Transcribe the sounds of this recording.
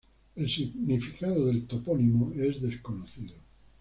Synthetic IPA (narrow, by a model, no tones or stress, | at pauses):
elsiɣnifikaðoðelt̪opɔnimoezðeskonoθiðo